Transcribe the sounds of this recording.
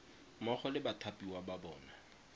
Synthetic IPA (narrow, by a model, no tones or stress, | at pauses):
mɔχɔlɪbatʰapʼiwababɔːna